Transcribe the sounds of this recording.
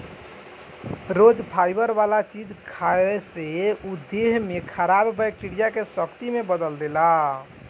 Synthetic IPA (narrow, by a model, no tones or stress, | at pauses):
ɾod͡ʒpʰajbəɾbalat͡ʃid͡ʒkʰaeseud̪eɦmekʰəɾabbɛjk̚ʈiɽijakesəkt̪imebəd̪əld̪ela